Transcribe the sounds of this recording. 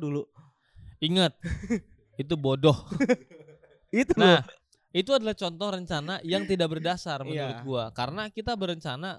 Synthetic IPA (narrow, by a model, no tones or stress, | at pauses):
dulu | iŋat̪̚ | it̪̬ubodɔh | it̪unah | it̪uadalaht͡ʃɔnt̪ɔrəɲt͡ʃanajaŋt̪idak̚bərdasarmənuɾʊt̪̚ɡuakaɾənakit̪abəɾəɲt͡ʃana